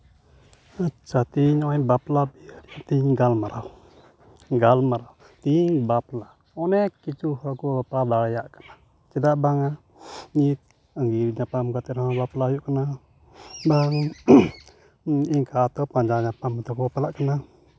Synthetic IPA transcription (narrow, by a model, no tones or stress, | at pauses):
at͡ʃat̪iɲoibaplabiat̪iŋɡalmaɾʔaw | ŋɡalmaɾaw | t̪iŋbapla | ɔnɛkit͡ʃuɦakubaplabalajaʔkə̥na | t͡ʃədaʔbaŋa | ɲit̪̚ | aŋɡiɾiɲapamkat̪iɾaabaplajuʔkəna | baŋ | iŋkat̪ɔpaɲd͡ʒaɲapamat̪ɔkubapalaʔkəna